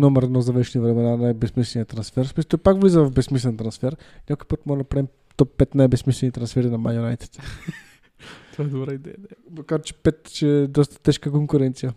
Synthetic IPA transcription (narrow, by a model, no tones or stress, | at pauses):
nɔmɛɾɛd̪nɔzɐvɛʃɛnivɾɛmɛnanajbɛsmislɛnijət̪ɾɐnsfɛɾsmist̪opakvlizəvɐfbɛsmislɛnt̪ɾɐnsfɛɾnʲakojpət̪mɔɾɛd̪ɐpɾaɛm | t̪ɔpːɛt̪najbɛsmislɛnit̪ɾɐnsfɛɾinɐmajonajt̪ɛ̥t̪ | t̪aɛd̪obɾaid̪ɛ̰jəd̪ɛmɐkaɾt͡ʃɛ̥pɛt̪t͡ʃɛd̪ɔst̪ə̥t̪ɛʃkəkoŋkuɾɛnt̪sijə